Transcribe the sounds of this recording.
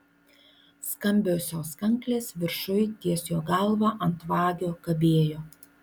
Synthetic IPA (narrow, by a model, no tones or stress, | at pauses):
skɐmʲbʲoːsʲoːskɐŋklʲeːsʋʲɪɾʃʊjt̪ʲiɛsʲjoːɡɐlˠʋɑːʔɐnt̪ʋɑːɡʲoːkɐbʲeːjoː